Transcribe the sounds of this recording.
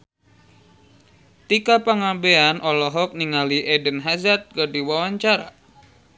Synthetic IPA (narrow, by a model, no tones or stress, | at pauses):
t̪ikapaŋabeanʔɔlɔɦɔk̚niŋaliʔɛdənɦazat̪̚kardiwawaɲt͡ʃaɾa̰